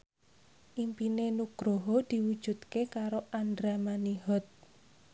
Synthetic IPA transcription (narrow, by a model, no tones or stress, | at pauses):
ʔimpinenuɡ̥ɾoɦod̪̥i̤wud̥ʒ̥ṳd̪̥kekaɾoʔand̪ɾamaniɦɔt̪̚